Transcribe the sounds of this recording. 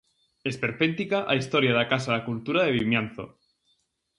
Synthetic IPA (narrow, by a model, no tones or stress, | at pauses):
espeɾpent̪ikaʔaist̪oɾjaðakasaðakult̪uɾaðeβimjanθo̰